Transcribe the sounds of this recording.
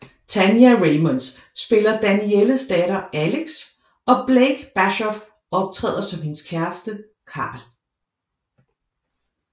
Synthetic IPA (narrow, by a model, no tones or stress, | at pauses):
t͡sʰænjæʁeɪmɔnsː | b̥e̝lɐd̥ænieləsd̥ɛɾ̥ɐʔæleɡ̥s | ɒ̽b̥leɡ̥b̥æɕɒf | ɒ̽b̥̚t͡sʰʁɛ̰ːð̰ˠɐsɒ̽mhe̝nskʰæɐsd̥ə | kʰɑ̰̈ːl